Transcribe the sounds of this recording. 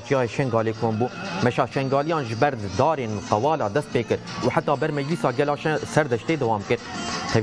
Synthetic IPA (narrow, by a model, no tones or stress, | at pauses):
t͡ʃijɑːeːʃɛŋɡɑːleːkʰoːmbuːmɛʃɑːʃɛŋɡɑːlijɑːnʒɪbɛɾd̪ɑːɾeːnqɛwɑːlɑːd̪ɛst̪̚peːkɨɾ | uħat̪ːɑːbɛɾmɛd͡ʒlisɑːɡɛlɑːʃɛsɛɾd̪ɛʃt̪eːd̪ɛwɑːmkɨɾt̪ʰɛ